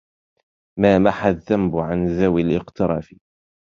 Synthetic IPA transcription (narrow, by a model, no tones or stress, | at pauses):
maːmaħaðːambʕanzawɪlʔɪqt̪ɑɾˤɑ̰ːfɪ